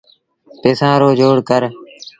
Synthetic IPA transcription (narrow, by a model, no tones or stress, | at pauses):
peːsãːɾoːd͡ʒoːɽkəɾ